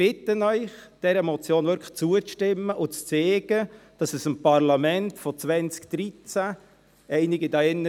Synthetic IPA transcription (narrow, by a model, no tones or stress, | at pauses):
b̥ɪt̪ənœʏχd̥ɛɾəmɔt͡sjoːnvʏɾkʰə̥t͡suət͡sʃtɪmːəʔʊt͡st͡seːɡ̥əd̥ɑsɛsɪmpɑɾlɑmɛntfɔt͡sʋɛnt͡skd̥ɾit͡sæ | ɛɪnɪɡidɑɛnːə